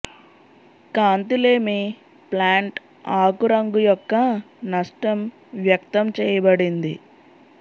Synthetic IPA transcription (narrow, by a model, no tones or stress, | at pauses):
kaːnt̪ileːmi | plaːɳʈ | aːkuɾɐŋɡujɔkːɐ | nɐʂʈɐm | ʋjɐk̚t̪ɐmt͡ʃɛːjɐbɐɽind̪ḭ